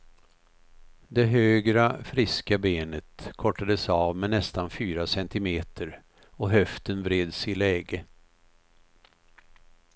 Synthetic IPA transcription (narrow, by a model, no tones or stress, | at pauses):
d̪ɛɦøːɡɾafɾɪskabeːnət̪kʰɔʈːad̪əsavmɛnɛst̪anfyːɾasɛnt̪ɪmeːt̪ʰəɾ | ɔɦœft̪ənvɾeːd̪sɪlɛːɡə